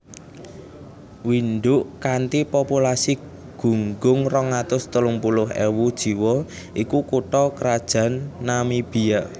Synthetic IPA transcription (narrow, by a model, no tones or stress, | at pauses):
winɖʊʔkant̪ipopulasi | ɡ̥ṳŋɡʊŋrɔŋat̪ʊst̪əlʊŋpulʊɦewud̥ʒ̥i̤wɔ | ʔikukuʈɔkɾad̥ʒ̥ä̤nːamib̥i̤jaʔ